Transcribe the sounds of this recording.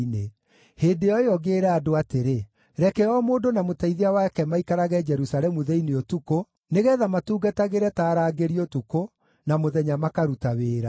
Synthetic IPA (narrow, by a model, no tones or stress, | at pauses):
ne | heːdeɔeɔɣeːɾɛadoateɾe | ɾɛkɛɔmoːdonamotaiðiawakɛmaikaɾaɣɛd͡ʒɛɾusalɛmuðɛineotuko | neɣɛːðamatuːɡataɣeɾɛtaːɾaːɡeɾiotuko | namoðɛɲamakaɾutaweːɾa